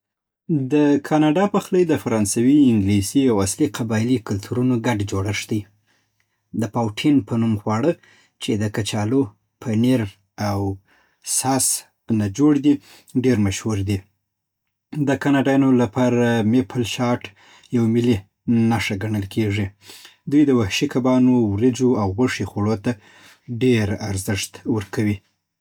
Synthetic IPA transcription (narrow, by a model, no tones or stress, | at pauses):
d̪əkʰɑnɑɖɑpaxləjd̪əfaɾɑnsawiɪŋɡlisiawasliqʰabɑjlikʊlt̪ʰuɾunoɡaɖd͡ʒoɽaʂd̪əj | d̪əpawʈʰinpʰənumxwɑɽə | t͡ʃed̪əkat͡ʃɑlo | pʰəneɾ | aw | sɑs | nad͡ʒoɽd̪i | ɖeɾmaʃhuɾd̪i | d̪əkɑnɑɖajɑnolapʰɑɾamepʰalʃɑʈ | jawmɪli | naʂaɡaɳəlkʰeʐi | d̪ujd̪əwahʃikʰabɑnowɾid͡ʒoawɣaʂixoɽot̪a | ɖeɾaɾzɪʂt̪wəɾkawi